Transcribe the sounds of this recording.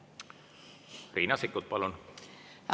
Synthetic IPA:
riːnɑsikːut̪̚pɑlun

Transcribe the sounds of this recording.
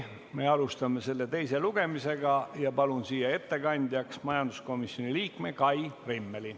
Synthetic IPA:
me̞ɑlust̪ɑme̞se̞lːet̪e̞jse̞luɡ̥e̞mise̞ɡ̥ɑjɑpɑlunsiːjɑe̞t̪ːe̞kɑnʲd̪̥ʲjɑksmɑjɑnd̪u̥sko̞misjo̞niliːkme̞kɑjrimːeli

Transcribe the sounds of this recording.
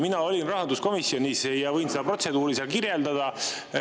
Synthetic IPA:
minɑo̞lʲinrɑɦɑd̪usko̞misjo̞nʲisjɑvɤjnsed̪̥ɑpro̞t̪se̞d̪uːɾiselkirjeld̪ɑd̪̥ɑ

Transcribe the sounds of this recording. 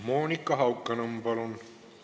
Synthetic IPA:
moːnikːɐɦɐwkːɐnɐmbɐlun

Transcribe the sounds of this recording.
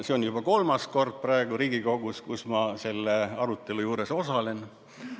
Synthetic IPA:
seo̞njub̥ɑko̞lmɑsko̞rd̪̥̚prɑe̞ɡ̥uɾiːɡiko̞ɡ̥uskusmɑse̞lːeɑɾut̪ːˑe̞lujuːɾe̞so̞sɑle̞n

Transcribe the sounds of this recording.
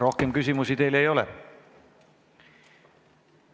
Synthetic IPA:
ɾo̞hke̞mkysʲimusit̪e̞jle̞jo̞lɛ̰

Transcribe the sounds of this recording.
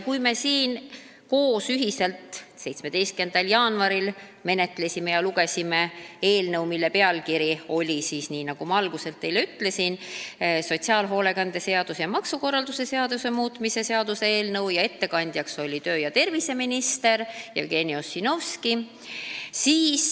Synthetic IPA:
kujme̞siːn | ko̞ːsyɦise̞lt̪se̞jt̪sme̞d̪̥e̞jst̪̚ke̞nd̪̥ɑljɑːnvɑɾil | me̞ne̞t̪ˑle̞simejɑluɡe̞sime̞e̞ːlnɤwmilːe̞pe̞ɑlkiɾio̞lʲisiːsniːnɑɡ̥umɑɑlɡ̥use̞lt̪ːe̞jle̞yt̪ːˑle̞sinso̞t̪ʲsiɑːlɦo̞ːle̞kɑnd̪̥e̞se̞ɑd̪̥usejɑmɑksuko̞rːɑld̪use̞se̞ɑd̪use̞muːt̪ˑmise̞se̞ɑd̪̥use̞eːlnɤwjɑe̞t̪ːe̞kɑnʲd̪̥ʲjɑkso̞lʲit̪ø̞ːjɑt̪e̞rvise̞minist̪e̞ɾjɑ̰vɡ̥e̞niosino̞vski | siːs

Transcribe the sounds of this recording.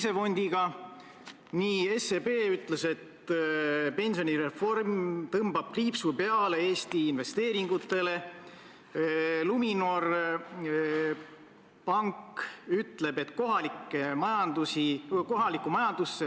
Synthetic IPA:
se̞fo̞nʲd̪̥iɡ̥ɑ | niːe̞sebe̞ːyt̪ˑlese̞t̪ | pe̞nʲsio̞niɾe̞fo̞rmt̪ɤmbɑb̥̚kliːpsupe̞ɑle̞e̞ːst̪iːnve̞st̪e̞ːɾiŋɡ̥ut̪ːˑe̞le̞ | luminor | pɑŋkyt̪ˑle̞be̞t̪ːko̞ɦɑlikːˑemɑjɑnd̪̥usiko̞ɦɑlikːˑumɑjɑnd̪̥usːe

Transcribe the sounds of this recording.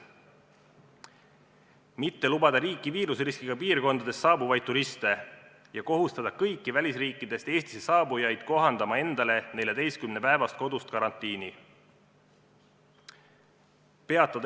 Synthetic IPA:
mit̪ːe̞lubɑd̪̥ɑɾiːkˑiviːɾusriskiɡ̥ɑpiːrko̞nd̪̥ɑd̪e̞sːɑːbuvɑjd̪̥̚t̪ːuɾist̪e̞ | jɑko̞ɦust̪ɑd̪̥ɑkɤjkːˑivælʲisriːkːˑid̪̥e̞st̪e̞ːst̪i̥sesɑːbujɑjd̪̥̚ko̞ɦɑnd̪̥ɑmɑe̞nd̪̥ɑle̞ne̞lʲjɑd̪e̞jskymnepæevɑst̪̚ko̞d̪̥ust̪̚kɑɾɑnt̪ːˑiːni | pe̞ɑt̪ːˑɑd̪

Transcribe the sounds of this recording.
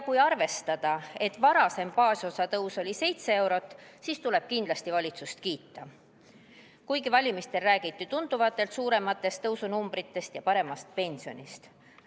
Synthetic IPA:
kujɑrve̞st̪ɑd̪̥ɑe̞t̪ːˑvɑɾɑse̞mpɑːsʲo̞sɑt̪ɤwso̞lʲise̞jt̪see̞wɾo̞t̪ːˑsiːst̪ule̞b̥kind̪lɑst̪ivɑlʲit̪sust̪̚kiːt̪ːˑɑ | kujɡivɑlʲimist̪e̞lræːɡ̥it̪ːˑit̪und̪̥uvɑt̪ːˑe̞lt̪suːɾe̞mɑt̪ːˑe̞st̪ɤwsunumbɾit̪ːe̞st̪jɑpɑɾe̞mɑst̪̚pe̞nʲsio̞̰nʲist̪

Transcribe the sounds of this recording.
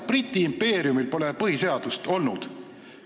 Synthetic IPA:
prit̪ʲːˑiːmpːe̞ːɾiumilpo̞lepɤhise̞ɑd̪̥ust̪o̞lnud̪̥

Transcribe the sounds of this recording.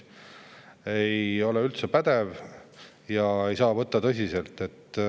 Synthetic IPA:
e̞jo̞leylt̪sepæd̪̥ev | jɑejsɑːvɤt̪ːɑt̪ɤsʲise̞lt̪ːˑe̞t̪ː

